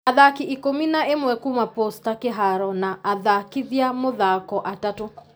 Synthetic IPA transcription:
aðakiʔikominaemwɛkumapostakeɦaɾɔnaʔaðakiðjamoðakɔʔatato

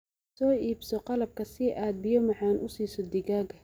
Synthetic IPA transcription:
sɔːʔiːbsɔqɑlɐb̚kʰɐsɪʔaːd̪̚bɪjɔmɑħɑːnʔʊsiːsɔd̪ɪɣaːɡɐ

